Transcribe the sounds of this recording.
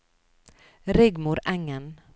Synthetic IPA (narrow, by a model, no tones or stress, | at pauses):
ɾɪɡmʊɾɛŋən